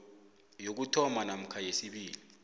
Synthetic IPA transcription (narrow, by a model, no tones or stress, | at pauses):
jok̬utʰɔmanam̩kʰajesiɓiːli